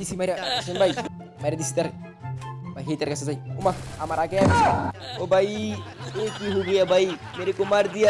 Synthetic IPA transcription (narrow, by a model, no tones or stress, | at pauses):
disimaɾasinbaji | maiɾad̪isit̪aɾ | baɦet̪aɾkasazajiumaamaɾʔakejabisobajiekiɦuɡujabaimeɾikumaɾd̪ija